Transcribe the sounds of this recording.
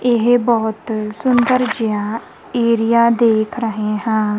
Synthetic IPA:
ɪɦbɔːt̪sʊnd̪əɾd͡ʒɪjaː | eːɾijaːd̪eːkʰɾəɦeɦɛ̃ː

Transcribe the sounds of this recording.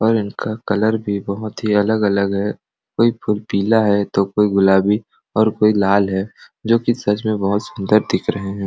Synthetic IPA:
ɔːɾɪnkʰakɐləɾbʱibɐɦʊt̪ɦiɐləɡɐləɡɦɛ | koːipʰʊlpiːlaɦɛt̪okoːiɡʊlaːbi | ɔːɾkoːilaːlɦɛː | d͡ʒoːkisɐt͡ʃʰmẽbɐɦʊt̪sʊ̃nd̪əɾd̪ɪkʰɾɐɦeɦɛ̃ː

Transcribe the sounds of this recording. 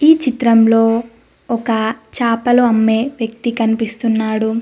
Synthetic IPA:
iːt͡ʃit̪ɾɐmlo̞ː | ɔkɐt͡ʃaːpɐluɐmːe̞ːʋjɐkt̪ikɐnipist̪unːaːɽu

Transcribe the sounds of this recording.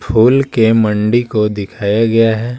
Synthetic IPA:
pʰuːlkemɐ̃ɳɖikod̪ɪkʰaːjaɡɐjaɦɛː

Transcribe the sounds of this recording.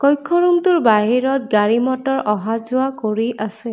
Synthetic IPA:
kɔjkʰːɔɹumtuɹbaɦiɹɔt̚ɡaɹimɔtɔɹʔɔɦazʊakoɹiʔase

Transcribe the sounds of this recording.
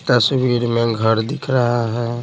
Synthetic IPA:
ʈ̪əsbiɾmẽɡʱəɾd̪ɪkʰɾəɦaɦɛ

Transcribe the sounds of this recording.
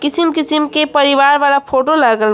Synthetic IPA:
kisimkisimkepəɾiʋaɾbalapʰoʈolaɡəl

